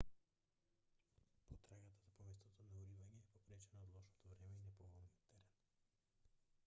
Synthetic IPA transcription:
pɔt̪ɾaɡat̪azapɔmɛst̪ɔt̪ɔnauɾivaɲɛːpɔpɾɛt͡ʃɛnaːd̪lˠɔʃnɔt̪ɔvɾɛmɛinɛpɔɡɔlˠniɔt̪ːɛɾɛn

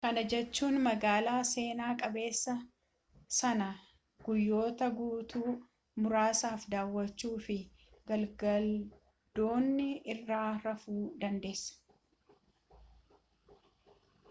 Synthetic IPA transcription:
kɐnɐd͡ʒɛt͡ʃːuːnmɐɡaːlaːse̞ːnaːkʼɐbe̞ːsːɐ | sɐnɐ | ɡ̥ʊjːo̞ːt̪ɐɡuːt̪uː | mʊɾaːsaːfd̪aːwːɐt͡ʃːuːfɪ | ɡɐlɡɐl | d̪̥o̞ːnːɪɪrːaːɾɐfuːd̪ɐnd̪e̞ːsːɐ̥

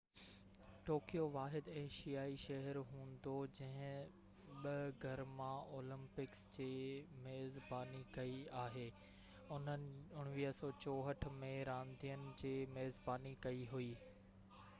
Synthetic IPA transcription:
ʈoːkijoʋaːɦɪd̪eːʃijaːiʃɐɦəɾɦũːnd̪od͡ʑɐ̃ɦɪ̃ | ɓɐɡʱɐɾmãoːlə̃mpɪksd͡ʑeːmeːzbaːnikɐiaːɦeː | ʊnənɪʊɽ̃ʋiːɦsɔːt͡ɕɔːɦəʈ̆ʰmẽɾãːnd̪ʱijənɪ̆d͡ʑeːmeːzbaːnikɐiɦuiː

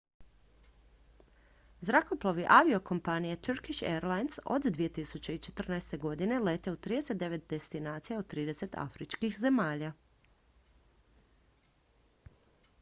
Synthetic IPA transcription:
zɾakoplˠoʋiʔaʋio̞ko̞mpanijet̪uɾkiʃḛɾlajnso̰d̪d̪ʋije̞t̪isut͡ɕe̞it͡ʃe̞̥t̪r̩naest̪e̞ɡo̞d̪ine̞le̞t̪e̞ut̪ːɾiːd̪e̞set̪d̪e̞ʋe̞t̪̚d̪e̞st̪inaːt̪sijaod̪̚t̪ɾiːd̪e̞se̞t̪a̰fɾit͡ʃkixze̞maːʎa

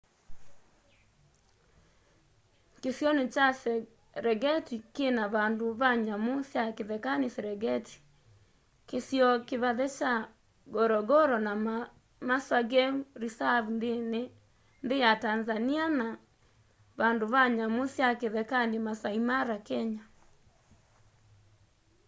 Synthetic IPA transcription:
kesjɔnet͡ʃasɛ | ɾɛɡɛtikenaβandoβaɲamosjakeðɛkanesɛɾɛɡɛtʰi̥ | kesjɔkeβaðɛt͡ʃa | ɡɔɾɔɡɔɾɔna | maswaɡɛuɾisaβundene | nðejatanzaniana | βandoβaɲamosjakeðɛkanemasaimaɾakɛɲa

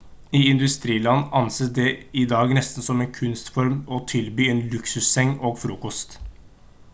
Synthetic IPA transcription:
ɪɪnd̪ʉst̪ɾiːlɑnːɑnseːsd̪ɛɪd̪ɑːɡnɛst̪n̩sɔmeːnkʰʉnst̪fɔɾmɔt̪ʰɪlbyːeːnlʉksʉsɛŋːoːɡfɾuːkɔst̪

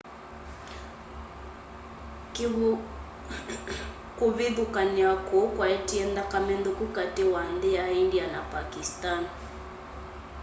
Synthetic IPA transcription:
ki | kuβiðukaniakɔkwaɛtiɛnd̪akamɛnd̪ukukatɛwandɛaindianapakistan

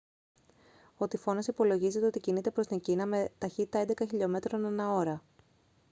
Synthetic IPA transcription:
o̞t̪ifo̞nɐsipo̞lo̞ʝizet̪eo̞t̪icinit̪e̞pɾo̞st̪iŋcinɐme̞t̪ɐçit̪it̪ɐe̞nd̪ekɐçiʎo̞me̞t̪ɾo̞nenɐo̞ɾɐ

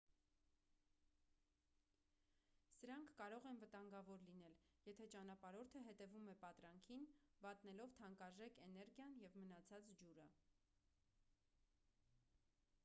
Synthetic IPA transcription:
səɾɑŋkʰːɑɾɔʁɛnvət̪ɑŋɡɑvɔɾlin̪ɛljɛt̪ʰɛt͡ʃɑnɑpɑɾɔɾt̪ʰəɦɛt̪ɛvumɛpɑt̪ɾɑŋkʰinbɑt̪nɛlɔvt̪ʰɑŋkɑʒɛkʰɛnɛɾɡjɑnjɛvmənɑt͡sʰɑt͡sd͡ʒuɾə

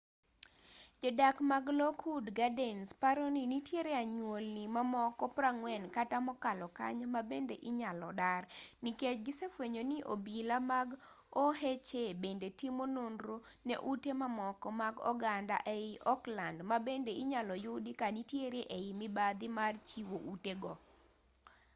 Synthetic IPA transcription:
d͡ʒɔdakmaɡlɔkʰudɡadɛnspaɾoninitjeɾeaɲwolnimamɔkɔpraŋwɛnkatamɔkalɔka̰ɲmabendeʔɪɲalɔdarniket͡ʃɡɪsefweɲoniʔo̰bilamaɡ | ɔɦet͡ʃebendetimonondɾo | nḛʔutemamɔkɔmaɡɔ̰ɡanda̰ʔeɪʔɔklandmabendeɪɲalɔjʊdikanitjeɾeʔeɪmibad̪ɪmart͡ʃiwoʔuteɡɔ

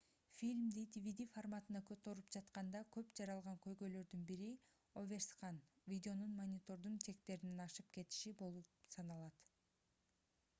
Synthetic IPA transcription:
fʲilʲmd̪it̪ʲivʲid̪ʲiformat̪ɯnɑkʰøt̪ø̞ɾypd͡ʒɑt̪qɑnd̪ɑkʰø̞pd͡ʒɑɾɑlˠʁɑŋkø̞jɡø̞jlø̞ɾd̪ynbiɾi | ovʲe̞rsqɑn | vʲid̪ʲɪo̞nunmonʲit̪o̞ɾd̪unt͡ʃe̞k̚t̪e̞ɾinenɑʃɯpke̞t̪i̥ʃibo̞lˠupsɑnɑlˠɑt̪

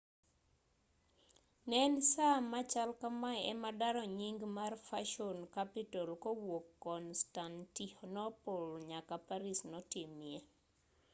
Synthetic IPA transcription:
nɛnsamat͡ʃalkamajɛ̰madaɾɔɲiŋɡmarfaʃonkapɪtolkowokːɔnstantihɔnɔpolɲakapaɾisnɔtɪmje

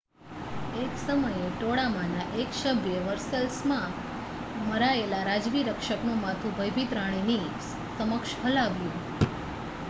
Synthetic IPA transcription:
eksəməjeʈoɽamanaʔeksəbʱjəʋəɾsəlsmã | məɾaelaɾad͡ʒʋiɾəkʃəknũmat̪ʰũbʱəjbʱit̪ɾaɽ̃eni | səməkʃɦəlaʋjũ

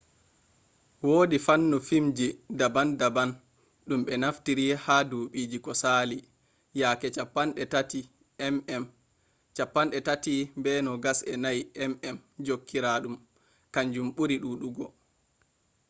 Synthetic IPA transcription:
woːdifanːufimd͡ʒidabandaban | ɗumɓɛnaftiɾihaduɓiːd͡ʒikɔsaːli | jakɛt͡ʃapːanɗɛtati | ɛmɛm | t͡ʃapːanɗɛtatimbɛnɔɡasɛnajɛmɛmd͡ʒokːiɾaɗum | kaɲd͡ʒumɓuɾiɗuːɗuɡɔ

